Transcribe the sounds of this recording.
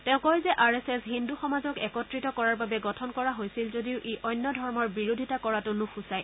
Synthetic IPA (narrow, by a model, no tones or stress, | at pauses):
tɛ̃ʊ̃kɔjzɛʔaɹɛsɛsɦinduxɔmazɔkɛkɔtɹitɔkɔɹaɹbabɛɡɔtʰɔnkɔɹaɦojsilzodiʊʔeʔɔjnːɔdʱɔɹmɔɹbiɹodʱitakɔɹatʊnʊxʰusaj